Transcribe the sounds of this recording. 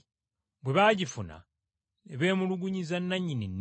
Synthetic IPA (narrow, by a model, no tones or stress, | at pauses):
bwe̞βaːɟifuna̰ | eβe̞ːmuluɡuɲizanːaɲːininː